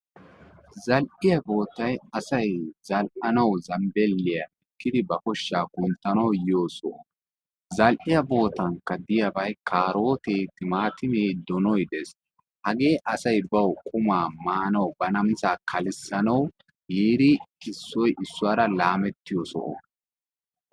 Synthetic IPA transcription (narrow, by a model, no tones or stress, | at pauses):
zɐlʔɪjɐbo̞ːt̪ːɐjɐsɐjzɐlʔɐnɐwzɐmbɛlːɪjɐʔɛkːɪd̪ɪbɐkɔʃːaːkʊnt̪ːɐnɐwjɪjo̞ːsɔ̰ʔɔ | zɐlʔɪjɐbo̞ːt̪ɐŋkːɐd̪ɪjɐbɐjkʰaːɾo̞ːt̪eːt̪ːɪmaːt̪ɪmeːd̪ɔnɔjd̪ɛs | hɐɡeːʔɐsɐjbɐwkʼʊmaːmaːnɐwbɐnɐmsaːkʰɐlɪsːɐnɐw | jiːɾɪɪsːɔjʔɪsːʊwaːɾɐlaːmɛt̪ːɪjɔsɔ̰ʔɔ̰